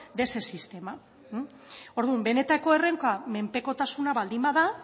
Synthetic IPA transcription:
d̪e̞se̞sist̪e̞ma | o̞ɾðumbe̞ne̞t̪ako̞e̞re̞ŋkame̞mpe̞ko̞t̪asunaβald̪imbaða

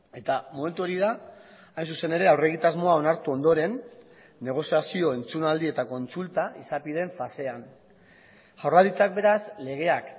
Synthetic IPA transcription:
e̞t̪amo̞me̞nt̪uo̞ɾið̞a | ajnsuse̞ne̞ɾe̞awre̞ɣ̞it̪azmo̞ao̞naɾt̪uo̞nd̪o̞ɾe̞nː | e̞ɣ̞o̞siasio̞e̞nt͡sunald̪ie̞t̪ako̞nt͡sult̪aisapið̞e̞ɱfase̞an | ʝawralit͡sak̚be̞ɾasle̞ɣ̞e̞ak

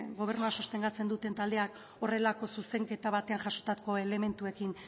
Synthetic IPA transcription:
ɡo̞β̞e̞ɾnuaso̞st̪e̞ŋɡat͡se̞nd̪ut̪e̞nt̪ald̪e̞ak | o̞re̞lako̞suse̞ŋke̞t̪aβat̪e̞axaso̞t̪ako̞e̞le̞me̞nt̪ue̞kin

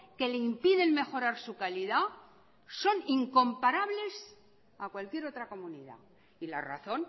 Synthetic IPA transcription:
ke̞leimpiðe̞nme̞xo̞ɾaɾsukaliða | so̞niŋko̞mpaɾaβle̞s | akwalkje̞ɾo̞t̪ɾako̞muniða̰ | ila̰ra̰θo̞n

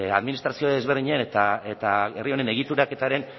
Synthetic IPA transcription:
a̰ðminist̪ɾasio̞ðe̞zβerðiɲeanet̪aet̪aerio̞ne̞ne̞ɣ̞it̪uɾake̞t̪aɾe̞n

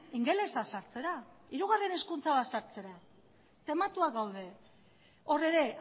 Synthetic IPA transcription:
iŋɡe̞le̞sasaɾt͡se̞ɾaiɾuɣare̞ne̞skunt͡saβat̪saɾt͡se̞ɾa | t̪e̞mat̪uakɡawðe̞ | o̞re̞ɾe̞

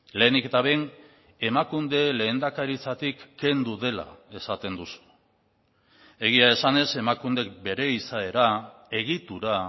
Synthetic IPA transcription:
le̞ːniket̪aβe̞n | e̞makund̪e̞le̞ːnd̪akaɾit͡sat̪ikːe̞nd̪uðe̞la̰e̞sat̪e̞nd̪usu̥ | e̞ɣ̞iae̞sane̞se̞makund̪e̞kbe̞ɾe̞isae̞ɾa | e̞ɣ̞it̪uɾa

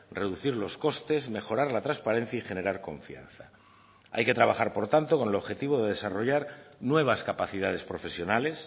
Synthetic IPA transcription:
re̞ðuθiɾlo̞sko̞st̪e̞zme̞xo̞ɾaɾlat̪ɾanspaɾẽ̞n̟θjaixe̞ne̞ɾaɾko̞̰ɱfia̰n̟θa | a̰jke̞t̪ɾaβaχaɾpo̞ɾt̪ant̪o̞ko̞ne̞lo̞βxe̞t̪iβ̞o̞ðe̞ðe̞saro̞ʝaɾnwe̞β̞askapaθiðað̞e̞spɾo̞fe̞sjo̞nale̞s

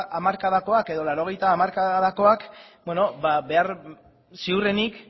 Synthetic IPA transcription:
ʔamaɾkaðako̞ake̞ðo̞laɾo̞ɣ̞e̞jt̪aːmaɾkaðako̞akbeno̞babe̞aɾ | siure̞nik

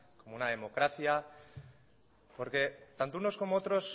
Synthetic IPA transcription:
ko̞mounað̞e̞mo̞kɾaθja | po̞ɾke̞t̪ant̪ouno̞sko̞moot̪ɾo̞s

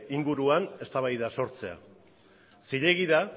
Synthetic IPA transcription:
iŋɡuɾuane̞st̪aβ̞ajðaso̞ɾt͡se̞a̰ | siʎe̞ɣ̞iða

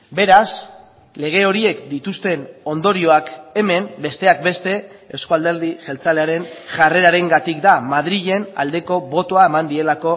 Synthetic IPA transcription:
be̞ɾas | le̞ɣ̞e̞o̞ɾie̞kd̪it̪ust̪e̞no̞nd̪o̞ɾio̞ake̞me̞mbe̞st̪e̞ak̚be̞st̪e̞ewskoald̪e̞ɾðiʝe̞lt͡saleaɾe̞nʝare̞ɾaɾe̞ŋɡat̪ikd̪amað̞ɾiʎe̞na̰ld̪e̞ko̞βo̞t̪o̞ae̞mand̪ie̞lako̞

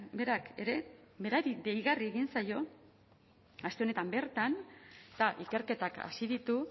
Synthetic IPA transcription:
be̞ɾake̞̰ɾe̞be̞ɾaɾid̪e̞jɣarie̞ɣinsajo̞ | ast̪eo̞ne̞t̪ambe̞ɾt̪ant̪aʔike̞ɾke̞t̪aka̰siðit̪u

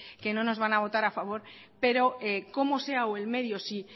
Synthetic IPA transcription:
ke̞nõ̞no̞zβanaβ̞o̞t̪aɾafaβ̞o̞ɾ | pe̞ɾo̞eko̞mo̞se̞aoe̞lme̞ðjo̞si

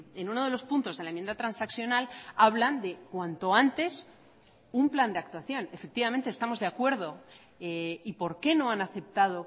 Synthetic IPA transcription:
enuno̞ð̞e̞lo̞spunt̪o̞zðelaemje̞nd̪at̪ɾansaksjo̞nalaβland̪e̞kwant̪o̞ant̪e̞s | umpland̪e̞ak̚t̪waθjo̞ne̞fe̞k̚t̪iβamẽ̞nt̪est̪amo̞zðeakwe̞ɾð̞o̞ | eipo̞ɾke̞no̞anaθe̞p̚t̪aðo̞

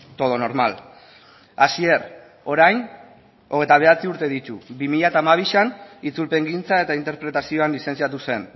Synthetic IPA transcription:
t̪o̞ð̞o̞no̞ɾmal | asie̞ɾ | o̞ɾajn | o̞ɣ̞e̞jt̪aβ̞e̞at͡siuɾt̪e̞ðit̪uβimiʎaet̪aːmaβ̞iʃanit͡sulpe̞ŋɡint͡sae̞t̪aint̪eɾpɾe̞t̪asio̞anlise̞nsiat̪̬use̞n

